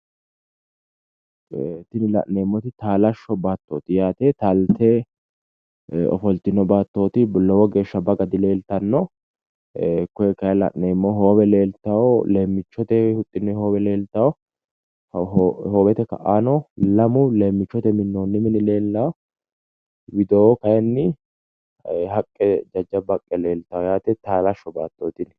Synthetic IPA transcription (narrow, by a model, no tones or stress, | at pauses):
t̪ːɪnɪlɐ̰ʔneːmːɔt̪ɪt̪aːlɐʃːɔbaːt̪ːoːt̪ɪjaːt̪eːt̪ɐlt̪ɛ | ɔ̰fɔlt̪ːɪnːɔbaːt̪ːo̞ːt̪ɪlɔwɔɡe̞ːʃːɐbɐɡɐd̪ɪle̞ːlt̪ɐnːɔ | kːɔɛkːɐjlɐ̰ʔneːmːɔɦo̞ːbɛle̞ːlt̪ːɐwɔle̞ːmːɪt͡ʃːɔt̪ɛhʊt̪ʼːɪnːɛho̞ːbɛle̞ːlt̪ːɐwɔ | hoːbɛt̪ɛkɐ̰ʔaːnɔlɐmʊle̞ːmːɪt͡ʃːɔt̪ɛmɪnːoːnːɪmɪnɪle̞ːlːawɔ | wɪd̪oːkɐjɛnːɪ | ɦɐkʼːɛd͡ʒɐd͡ʒːɐbɐkʼːɛle̞ːlt̪ɐɔjaːt̪ɛt̪aːlɐʃːɔba̰ːt̪ːo̞ːt̪ɪn